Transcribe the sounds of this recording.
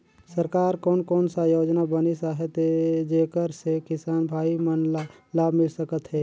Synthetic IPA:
səɾkaːɾkɔːnkɔːnsajoːd͡ʒnabənisaːɦet̪ed͡ʒeːkəɾsekɪsaːnbʱaːimən | laːbʱmɪlsəkət̪ɦɛː

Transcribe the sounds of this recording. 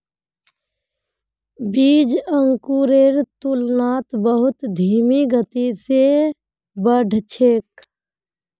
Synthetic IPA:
biːd͡ʒəŋkuɾeːɾt̪ulnaːt̪bəɦʊt̪d̪ʱiːmiɡʱət̪ise | bəɖʱt͡ʃʰeːk

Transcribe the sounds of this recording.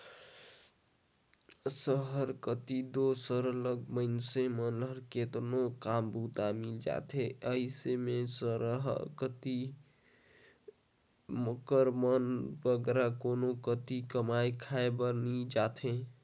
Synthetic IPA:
səɦəɾkət̪id̪osəɾləɡməɪnsemənləɾket̪nokambut̪amild͡ʒa̰t̪ʰeəisemesəɾəɦkət̪i | məkəɾmənbəɡɾakonokət̪ikəmajkʰaebəɾnid͡ʒat̪ʰe

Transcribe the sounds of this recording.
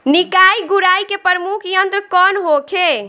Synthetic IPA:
nikajɡuɾajkepəɾəmukʰjənt̪ɾkɔnɦokʰe

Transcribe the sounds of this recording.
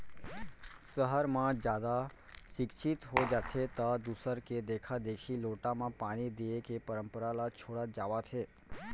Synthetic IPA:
səɦəɾmãd͡ʒjad̪a | ʃɪkʃʰit̪ɦod͡ʒat̪ʰet̪ad̪usəɾked̪ekʰad̪eʃiloʈamãpaɽ̃id̪iekepəɾəmpəɾalat͡ʃʰoɽad͡ʒaʋat̪ʰe

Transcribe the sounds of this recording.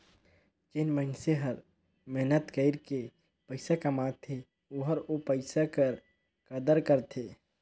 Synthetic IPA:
d͡ʒɪnmənseɦəɾ | mɛɦnət̪kəɪɾke | pəɪsakɐmat̪ʰe | oɦəɾopəɪsakəɾ | kəd̪əɾkəɾt̪ʰeː

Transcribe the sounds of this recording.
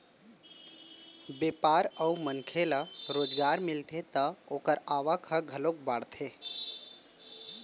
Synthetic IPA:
bepaɾəumənkʰeləɾoːd͡ʒɡaɾmilt̪ʰet̪əokəɾaʋəkʰəɡʱəlok̚baɽt̪ʰe

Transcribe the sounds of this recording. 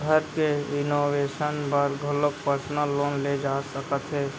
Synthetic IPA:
ɡʱəɾkeɪnoːʋeːʃənbəɾɡʱʊləkpəɾsnəloːnled͡ʒaːsəkət̪ɦɛː

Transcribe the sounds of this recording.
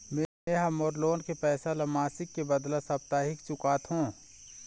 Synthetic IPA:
mẽ | eɦamoːɾloːnkepɛːsalɐmaːsɪkːebɐd̪lasɐp̚t̪aːɦɪkt͡ʃʊkaːt̪ɦõː

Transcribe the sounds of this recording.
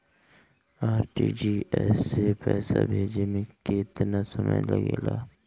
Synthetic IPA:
aːɾʈiːd͡ʒiɛːsepɛːsabʱeːd͡ʒemẽkɪt̪nasəmə̰jləɡeːlaː

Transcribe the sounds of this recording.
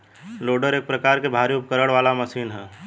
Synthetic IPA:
loːɖəɾeːk̚pɾəkaːɾkebʱaːɾiʊp̚kəɾəɽʋaːlaməsiːnɦɛː

